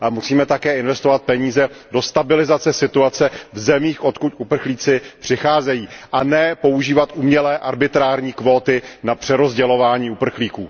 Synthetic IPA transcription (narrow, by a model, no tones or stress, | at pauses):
amusiːmɛt̪akɛːɪnvɛst̪ovat̪̚pɛɲiːzɛdo̞st̪abɪlɪzat͡sɛsɪt̪uat͡sɛvzɛmiːxʔo̞t̪kucʔupr̩xliːt͡sɪpr̥ɪxaːzɛjiːʔanɛpo̞uʒiːvat̪ʔumɲɛlɛːʔaɾbɪt̪ɾaːɾɲiːkvo̞ːt̪ɪnapr̝̥ɛɾo̞zɟɛlo̞vaːɲiːupr̩xliːkuː